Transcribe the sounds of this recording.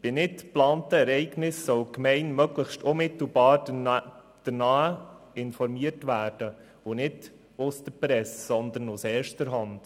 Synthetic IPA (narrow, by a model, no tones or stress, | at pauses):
b̥ɪnɪtplɑːntəɛɾɛɪɡnɪsːœwkmɛɪnmœɡlɪxʃtʊnmɪt̪l̩bɑːɾ | d̪̥ənɑːə | ɪnfɔɾmiəɾtʋæːɾd̥ə | ʊnɪd | ʊst̪əpɾɛssɔnd̪ənʊsɛːɾʃtəɾɦɑnd̥